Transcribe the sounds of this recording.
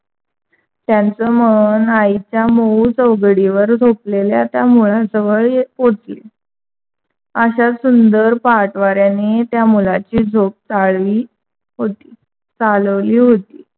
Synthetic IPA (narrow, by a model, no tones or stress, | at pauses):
t̪jant͡səːmənait͡ɕjamout͡səʋɡɽiʋəɾd͡zʱop̚leljat̪jamuɭasəʋəɭjepot͡si | əɕasund̪əɾpaʈʋaɾjanet̪jamulat͡ɕiːd͡zʱop̚t͡saɭʋiː | ɦot̪iː | t͡salʋliːɦot̪iː